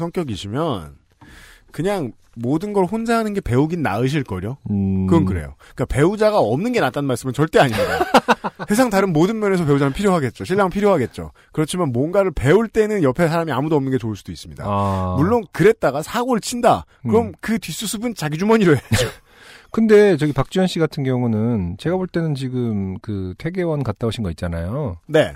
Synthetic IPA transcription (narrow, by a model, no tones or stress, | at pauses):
sʰʌŋk͈jʌɡiɕʰimjʌn | kɯɲaŋ | modɯnɡʌɾɭɸond͡ʑaɦanɯnɡe̞pe̞uɡinna̰ɯɕ̬ʰiɭk͈ʌɾjokɯɡʌnkɯɾe̞̰jo̰ | kape̞ud͡ʑaɡaʌmnɯnɡe̞nat͈anɯnmaɭs͈ɯmɯnt͡ɕʌɭt͈e̞aɲimidase̞sʰaŋtaɾɯnmodɯnmjʌne̞sʰʌpe̞ud͡ʑanɯɭpʰiɾjoɦaɡe̞t̚t͡ɕ͈oɕʰiɭːaŋpʰiɾjoɦaɡe̞t̚t͡ɕ͈o̰ | kɯɾʌt͡ɕʰimanmwʌnɡaɾɯɭpe̞uɭt͈e̞nɯnjʌpʰe̞sʰaɾamiamudoʌmnɯnɡe̞t͡ɕouɭs͈ud̥ois͈ɯmɲḭda̰muɭːonkɯɾe̞t̚t͈aɡasʰaɡoɭt͡ɕʰinda | ɯɾʌmkɯtɥis͈usʰubɯnt͡ɕaɡid͡ʑumʌɲiɾoeo | kɯnde̞t͡ɕʌɡipak̚t͡ɕ͈ʌnɕ͈ʰiɡatʰɯnɡjʌŋunɯnt͡ɕe̞ɡaboɭt͈e̞nɯnt͡ɕiɡɯmkɯtʰe̞ɡe̞wʌnkat̚t͈aoɕʰinɡʌit̚t͡ɕ͈anajone̞̰